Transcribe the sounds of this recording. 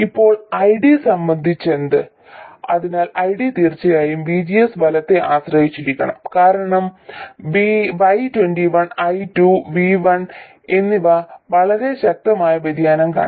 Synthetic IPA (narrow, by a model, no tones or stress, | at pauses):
ipːo̞ːɭɐjɽisɐmbɐnd̪ʱit͡ɕːe̞nd̪ɨ | ɐðinaːlɐjɽit̪iːrt͡ɕːɐjaːjumbid͡ʑijesbʱɐlɐt̪ːe̞ʔaːɕrɐhit͡ɕːiɾikʲːɐ̰ɳɐ̰mkaːɾɐɳɐmʋiʋɐjtwenɖiʋɐnɐjtuʋiʋɐɳ | e̞nːiʋɐʋɐɭɐɾe̞ɕɐk̚t̪ɐmaːjɐbɐd̪ʱjaːnɐmka̰ːɳ